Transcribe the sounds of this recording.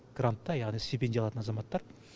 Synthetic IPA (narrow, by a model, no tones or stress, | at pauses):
ɡ̥rant̪ːɑjɑʁnijst̪ʲipʲed̪ʲijɑlˠɑt̪ənɑzɑmɑt̪ːɑɾ